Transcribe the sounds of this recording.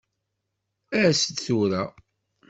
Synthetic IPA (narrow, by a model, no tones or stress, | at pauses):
æsəd̪θuɾæ